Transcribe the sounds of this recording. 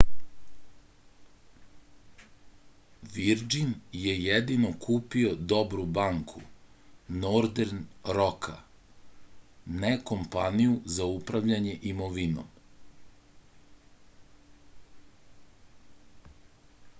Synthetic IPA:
ʋiɾd͡ʒinjejed̪ino̞kʰuːpio̞d̪o̞bɾubaŋkʰu | noɾd̪eɾnɾokʰa̰ | neko̞mpanijuzaupɾaʋʎaɲe̞ʔimoʋino̰m

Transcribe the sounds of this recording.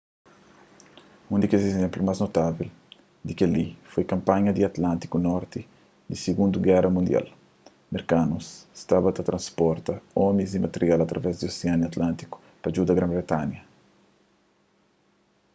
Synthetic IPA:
ũnd̪ikezezẽmplumaznot̪avil | d̪ikalifojkɐ̃mpãɲɐd̪iɐt̪lãnt̪i̥kunɔɾt̪i | d̪isiɡũnd̪uɡɛrɐmũnd̪ja̰l | meɾkanusst̪abɐt̪ɐt̪ɾʔɐ̃nspɔɾt̪ɐɔmizimɐt̪eɾjalɐt̪ɾʔɐvɛzd̪ioseaniɐt̪lãnt̪iku̥ | pɐd͡ʒud̪ɐɡɾãmbɾet̪anjɐ

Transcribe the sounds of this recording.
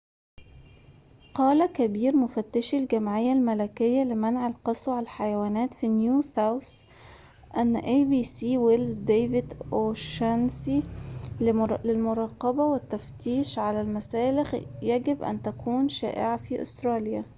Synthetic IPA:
qɑːlækæbiːɾmʊfæt̪ːɪʃɪlɡæmʕɪjːælmælækɪjːælɪmænʕalqɑsˤlʕallħajæwæːnæːt̪finjuːθaws | ʔænːʔeːbiːsiːwelzd̪eːvɪd̪ʔoʃænsi | lɪlmʊɾˤɑːqɑbæwɪt̪ːæft̪iːʃʕalælmæsæːlɪxjæɡɪbʔæ̰nt̪ækuːnʃæ̰ːʔɪ̰ʕafiʔʊ̰st̪ɾˤɑːlja

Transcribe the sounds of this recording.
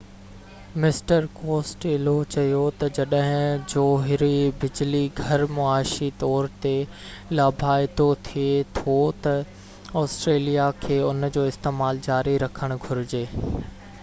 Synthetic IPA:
mɪsʈəɾkoːsʈɪlot͡ɕɐjot̪ɐd͡ʑɐɗəɦɪ̃d͡ʑoːɦɪɾibɪd͡ʑliɡʱɐɾmʊaːʃit̪ɔːɾt̪e | laːbʱaːɪd̪ot̪ʰiet̪ʰot̪ɐ | ɔːsʈɾeːlijakʰeːʊnd͡ʑoːɪst̪eːmaːld͡ʑaːɾiɾɐkʰəɽ̃ɡʱʊɾɪd͡ʑeː

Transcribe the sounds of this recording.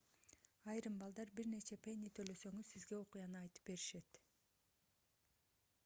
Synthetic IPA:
ɑjɾɯmbɑlˠd̪ɑɾbiɾne̞t͡ʃe̞penʲit̪ʰølø̞sø̞ŋyzsizɡe̞o̞qujɑnɯɑjt̪ɯ̥p̚be̞ɾiʃe̞t̪

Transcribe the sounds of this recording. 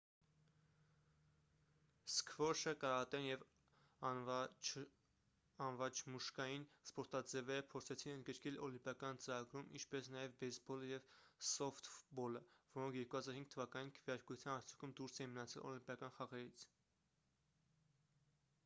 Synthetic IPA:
skʰvɔʃəkɑɾɑt̪ɛnjɛv | ɑnvɑt͡ʃʰmuʃkɑjinspɔɾt̪ɑd͡zɛvɛɾəpʰɔɾt͡sʰɛt͡sʰinənd̪ɡəɾkɛlɔlimpjɑkɑnt͡səɾɑɡɾumʔḭnt͡ʃʰpɛsnɑjɛvbɛsbɔləjɛvsɔft̪fbɔləvɔɾɔŋkʰjɛɾkuhɑzɑɾhiŋɡ̥̚t̪ʰəvɑkɑninkʰəvjɑɾkut͡sʰjɑnɑɾt͡sʰuŋkʰumd̪uɾsɛimənɑt͡sʰɛ̰lɔ̰limpjɑkɑnχɑʁɛɾit͡sʰ

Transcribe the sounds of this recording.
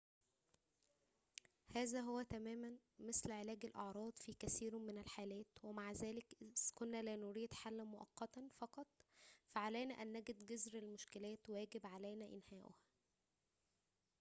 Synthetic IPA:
hæːzæɦowːæt̪æmæːmænmɪslʕelæːɡælʔɑʕɾˤɑːd̪ˤfiːkæsiːɾmɪnælħaːlæːt̪wemaʕzæːlɪkʔkonːælænʊɾiːd̪ħalːæmoʔɑ̰qːɑt̪æfɑqɑt̪ˤfæʕalæjnæʔænːæɡed̪ɡezɾelmʊʃkɪlæːt̪wæːɡɪbʕalæjnæʔɪnhæːʔʊ̰hæ

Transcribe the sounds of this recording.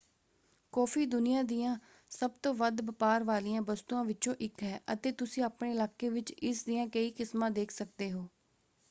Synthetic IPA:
kɔːfʰiːd̪ʊnɪjãːd̪ɪjãː | səb̚t̪õːʋəd̪bəpaːɾʋaːlijãːbəst̪uːãːʋɪt͡ʃõːʔɪkɦɛːʔə̰t̪eːt̪ʊsĩːaːpɳeːɪlaːkeːʋɪt͡ʃɪsd̪ɪjãːkəiːkɪsmãːd̪eːkʰsək̚d̪eːɦoː

